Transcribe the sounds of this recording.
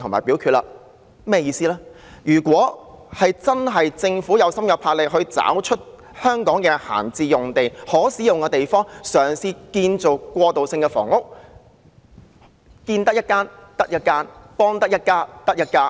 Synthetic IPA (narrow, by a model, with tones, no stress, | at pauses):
t̪ʰʊ˨ŋma̰ː˨˩jpiː˨˥wkʰyː˧t̚la̰ː˧ | mɛː˥jiː˧siː˥laː˥ | jyː˨˩kʷwɔː˨˥hɐ˨jt͡sɐ˥nɦɐ˨jt͡sɪ˧ŋfuː˨˥jɐ˨˧wsɐ˥mjɐ˨˧wpʰaː˧k̚lɪ˨k̚hɵ˧ɥt͡sa̰ː˨˥wt͡ʃʰɵ˥t̚ | hœː˥ŋkɔː˨˥ŋkɛː˧ha̰ː˨˩nt͡siː˧jʊ˨ŋt̪e˨jhɔː˨˥siː˨˥jʊ˨ŋkɛː˧t̪e˨jfɔː˥ŋsœː˨˩ŋsiː˧kiː˧nt͡so˨wkʷɔː˧t̪o˨wsɪ˧ŋkɛ˧fɔ̰ː˨˩ŋʊ˥k̚ | kiː˧nt̪ɐ˥k̚jɐ˥t̚kaː˥nt̪ɐ˥k̚jɐ˥t̚kːaː˥npɔː˥ŋt̪ɐ˥k̚jɐ˥t̚kaː˥t̪ɐ˥k̚jɐ˥t̚kːaː˥